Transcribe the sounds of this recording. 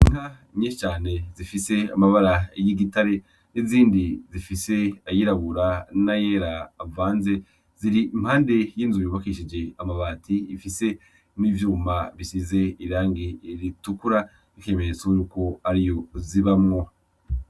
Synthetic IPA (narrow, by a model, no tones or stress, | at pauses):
iŋa | ɲiʃt͡ʃaːne̞zifise̞amaβaɾajiɡitaɾe̞ | niziːndizifise̞ajiɾaβuɾanajeɾaːvaːnze̞ | ziɾim̥haːnde̞jiːnzujuβakiʃid͡ʒe̞amaβaːtiifise̞ | niːvjuːmaβisize̞iɾaːŋɡiɾitukuɾa | ikiemeɾet͡sojuːko̞aɾijo̞ziβamŋo̞